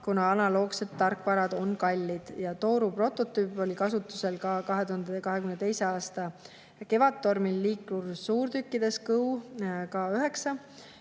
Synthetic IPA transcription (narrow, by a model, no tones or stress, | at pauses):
kunɑɑnɑlo̞ːkse̞t̪ːɑrkːˑvɑɾɑd̪̥o̞nkɑlʲːid̪̥jɑt̪o̞ːɾupro̞t̪ːˑo̞t̪ːˑyːpːˑo̞likɑsut̪ːˑu̥se̞lkɑkɑɦe̞t̪uhɑnd̪ekɑɦe̞kymnet̪e̞jse̞ɑːst̪ɑ | ke̞vɑt̪ːo̞rmilːiːklursuːrt̪ykːid̪̥e̞skɤwkɑyɦe̞ksɑ